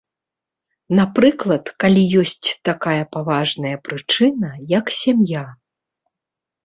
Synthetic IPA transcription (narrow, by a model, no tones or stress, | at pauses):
napɾɨklˠɐt̪kalʲijɔsʲt͡sʲt̪akajɐpavaʐnɐjɐpɾɨt͡ʂɨnɐjɐksʲamja